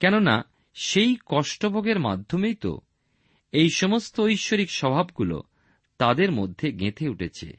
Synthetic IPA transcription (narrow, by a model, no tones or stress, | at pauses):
kɛnona̰ | ʃejkɔʃʈobʱoɡeɾma̰d̪ʱːomejt̪o̰ | ejʃɔmost̪oojʃːoɾikʃɔbʱabɡulo̰ | t̪ad̪eɾmod̪ʱːeɡet̪ʰeuʈʰet͡ɕʰḛ